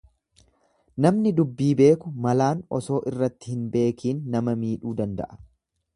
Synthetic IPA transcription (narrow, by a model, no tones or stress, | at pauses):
nɐmnɪd̪ʊbːiːbe̞ːkʊmɐlaːnɔso̞ːʔɪrːɐt̪ːɪhɪnbe̞ːkiːnːɐmɐmiːᶑuːd̪ɐnd̪ɐ̰ʔɐ̥